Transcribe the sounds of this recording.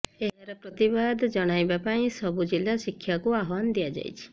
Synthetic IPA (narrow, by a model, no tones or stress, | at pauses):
eɦaɾɔpɾɔt̪ibad̪d͡ʒɔɽ̃ajbapaĩsɔbud͡ʒilasikʰːjakuaɦwand̪iad͡ʒa̰jt͡ʃʰi̥